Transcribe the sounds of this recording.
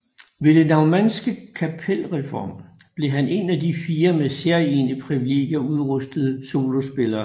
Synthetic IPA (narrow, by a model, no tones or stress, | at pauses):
ʋe̝d̥enɑ̈ʊmænsɡ̥əkʰæpʰel̰ʁɛfɒ̰ːmb̥le̝ɦæne̝næd̥ifiːɐmese̝ɐenəpʰʁiʋile̝̰ɡ̥jɐuðˠʁœsd̥əð̞̩ˠəso̝ːlo̝sb̥e̝lɐː